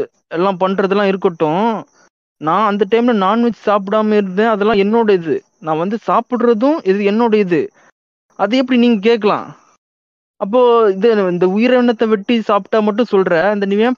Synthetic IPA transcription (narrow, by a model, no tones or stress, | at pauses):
ɛlːãːpɐɳːɾɐðɛlːãːɪɾɯkːɐʈːʊ̃ | nãːɐnd̪ɐʈɐɪmlɐnaːnʋɛt͡ʃːɯ̥saːp̬ɪɽaːmɐɪɾɯnd̪ẽːɐðɛlːãːɛnːoːɽɐɪðɯ̰ | nãːʋɐnd̪ɯsaːpɪɽɾɐðʊ̃ʔɪðɯɛnːoːɽɐɪðɯ | ʔɐðɯɛpːɐɽiniːŋɡɐk̬eːʈkːɐlã̰ː | ɐp̬ːoːɪðɯɪnd̪ɐʊjɪɾɐʋɪɳːɐt̪ːɐʋɪʈːisaːpʈːaːmɐʈ̬ːʊ̃sɔlɾɛ̃ɐnd̪ɐnɪʋɐjã